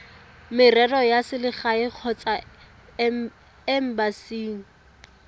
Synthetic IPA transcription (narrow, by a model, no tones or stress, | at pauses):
mɪrɛrɔjasɪlɪχaɪq͡χʰɔt͡sʼa | ɛm̩basiːŋ̩